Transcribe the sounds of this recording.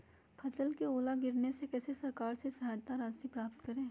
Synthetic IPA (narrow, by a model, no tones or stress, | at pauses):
pʰɐsəlkeoːlaɡɪɾnesekɛːsesɐɾkaːɾsesɐɦaːjt̪aɾaːsipɾaːp̚t̪kɐɾẽː